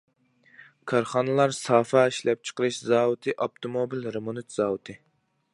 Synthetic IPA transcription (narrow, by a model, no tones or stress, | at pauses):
kʰɑɾχɑnɨlˠɑɾsɑːfɑiʃlɛp̚t͡ʃʰə̥qəɾɨʃzɑːwɨt̪ʰɨʔɑp̚t̪ʰomobilɾemonyt̪z̥ɑːwɨt̪ʰɨ